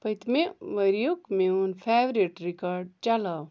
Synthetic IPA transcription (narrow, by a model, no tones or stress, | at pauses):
pɐjt̪meʋɐɾjukmeunpʰeːʋɾiʈɾikaɾɖ̚t͡ʃalaw